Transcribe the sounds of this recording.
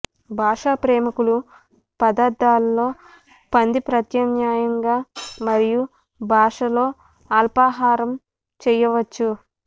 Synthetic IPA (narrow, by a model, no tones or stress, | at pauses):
bʱaːʂaːpɾɛːmukulu | pɐd̪aːɾd̪aːlːo̞ː | pɐnd̪ipɾɐt̪jɐnjaːjɐŋɡaːmɐɾiju | bʱaːʂɐlo̞ː | aːlpaːɦaːɾɐm | t͡ʃɛjɐʋɐt͡ʃːu